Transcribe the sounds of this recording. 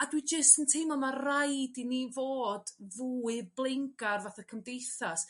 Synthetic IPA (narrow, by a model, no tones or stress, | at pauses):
adwid͡ʒɪstəntʰimɔmarajdinivoːdvuːɨblˠɪŋɡarvaθakʰəmdejθas